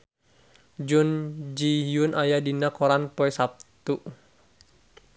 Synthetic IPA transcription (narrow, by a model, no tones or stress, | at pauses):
d͡ʒund͡ʒijunʔajadinakɔɾanpɔɛsap̚t̪uʔ